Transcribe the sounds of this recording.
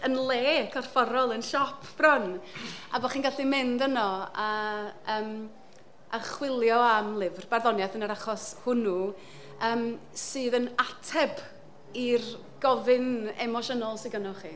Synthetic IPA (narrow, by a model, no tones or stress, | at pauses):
ənlˠeːkʰɔrfɔɾɔlˠənʃɔpʰb̥rɔnabɔχiːnɡaɬimɪndənɔaəːm | ʔaχwɪlˠjɔamlˠɪvrb̥arðɔnjaθənəɾaχɔshʊnu | əːm | sɨːðənatʰɛb | ir | ɡ̥ɔvɪnɛ̰mɔʃənɔlˠsɪɡənɔχiː